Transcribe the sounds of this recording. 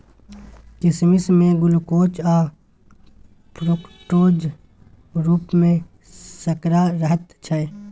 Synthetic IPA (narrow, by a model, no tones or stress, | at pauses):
kɪsmɪsmẽɡʊlkoːt͡ʃaː | pɾokʈoːd͡ʒ | ɾuːpmẽ | səkɾaɾəɦət̪t͡ʃʰɐ